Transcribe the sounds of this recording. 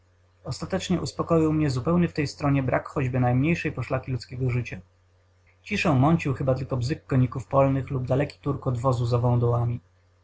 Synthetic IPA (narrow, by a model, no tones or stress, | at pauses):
ɔst̪at̪ɛt͡ʂɲɛʔuspɔkɔjiwmɲɛzupɛwɲɘft̪ɛjst̪ɾɔɲɛbɾʔakxɔd͡ʑbɘnajmɲejʂɛjpɔʂlakʲilut̪skʲɛɡɔʐɘt͡ɕa | t͡ɕiʂɔ̃mɔɲt͡ɕiwxɘbat̪ɘlkɔbzɘkːɔɲikufpɔlnɘxlubd̪alɛkʲi̥t̪uɾkɔd̪vɔzuzavɔ̃w̃d̪ɔwamʲi